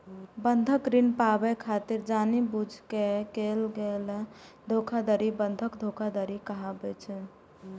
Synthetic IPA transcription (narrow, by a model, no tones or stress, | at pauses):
bənd̪ʱəkɾinpabɛkʰat̪iɾd͡ʒanibud͡ʒʱkekelɡel | d̪ʱokʰad̪əɾibənd̪ʱəkd̪ʱokʰad̪əɾikəɦabɛt͡ʃʰɛ